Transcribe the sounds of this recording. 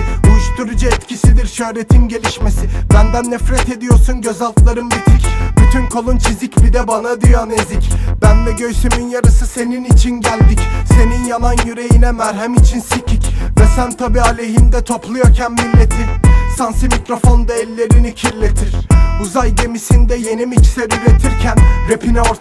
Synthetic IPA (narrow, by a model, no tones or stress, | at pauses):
ujuʃt̪uɾud͡ʒaɛt̪cʰisid̪iɾʃø̞hɾe̞t̪ʰinɟe̞lʲiʃme̞sibænd̪ænːɛfɾɛt̪ʰe̞d̪ijo̞ɾsunɟø̞zalˠt̪lˠaɾɯmbit̪ʰibyt̪ʰynkʰo̞lˠunt͡ʃʰizicbid̪ɛbanad̪yjanezicb̥ænmɛɟø̞jsyminjaɾɯsɯse̞ninit͡ʃʰinɟælʲd̪icse̞ninjanˠanjyɾe̞jinɛmæɾɦɛmit͡ʃʰinsicʰicvɛsænt̪ʰabialʲe̞ɦind̪ɛt̪ʰo̞plˠujocʰɛnmilʲːe̞t̪ʰisansimicɾo̞fo̞nd̪aɛlʲːe̞ɾinicʰiɾlʲe̞t̪ʰiɾ̥uzajɟe̞misind̪ɛje̞nimit͡ʃseɾyɾet̪ʰiɾcʰænɾepʰinoɾ